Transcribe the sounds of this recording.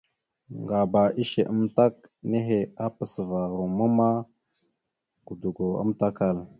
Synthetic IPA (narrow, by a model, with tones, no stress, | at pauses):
ŋɡa˨ba˨ʔi˦ʃe˨ʔə˦mt̪a˦k̚ne˦ɦe˨a˦pə˨sə˨va˨ɾo˨mə˦ma˦ | ɡ̥u˨d̪u˨ɡo˨ə̰˦mt̪a˦ka˨l